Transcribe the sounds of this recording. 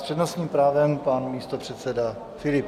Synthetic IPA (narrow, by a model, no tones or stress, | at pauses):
r̥ɛdnosɲiːmpɾaːvɛmpanmiːst̪o̞pr̝̥ɛt̪sɛda | fɪlɪp